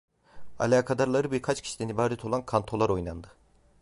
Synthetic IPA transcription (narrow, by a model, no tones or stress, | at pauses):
a̰lʲaːkʰad̪aɾlˠaɾɯbiɾkʰat͡ʃcʰi̥ʃi̥d̪ɛnibaːɾɛt̪ʰo̞lˠankʰant̪ʰo̞lˠaɾo̞jnand̪ɯ